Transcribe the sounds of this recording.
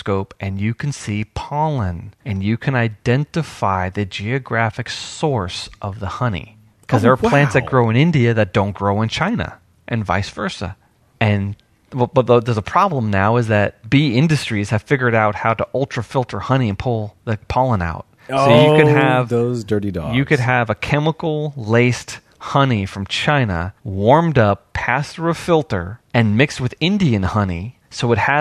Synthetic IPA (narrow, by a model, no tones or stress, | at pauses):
skoʊpʔɨ̃njɨkʰn̩sipʰɑlˠə̃nɨ̃njɨkʰɨ̃naɪdɛ̃ntɨfa̰ɪðɨd͡ʒiɨɡɹæfɨksɔɹsʔʌvðəhʌnḭ | kʰʌzðə˞ːpʰl̥æ̃ntsðɨt̚ɡ̥ɹoʊɨ̃nɪ̃ndiɨðɨt̚d̥õʊ̃nɡ̥ɹoʊə̃nt͡ʃʰãɪ̃nə̰ | ʔɨ̃nva̰ɪsvɜ˞sə̰ | ɨ̃n | wɛbʌðoðə˞zəpʰɹ̥ɑblə̃mnaʊɨzðɨt̚b̥iɪ̃ndɨstɹ̥iz̥ɨv̥fɪɡjə˞ɾaʊt̚haʊɾəʔɔlˠtɹ̥əfɪlˠtʰə˞hʌñiɨ̃npʰʊlˠðɨpʰɑlˠə̃na̰ʊt̚soʊjɨkɨɨvzdɜ˞ɾidɔ̰jɨkɨd̚ɨvɨkʰɛməkl̩ˠleɪst | hʌnifɹʌ̃mt͡ʃʰãɪ̃nə̰wɔɹmdʌpʰæsθɹuəfɪlˠtə̰˞ɨ̃nmɪkst̚wɨðɪ̃ndiɨ̃nhʌni | soʊɨt̚hɨ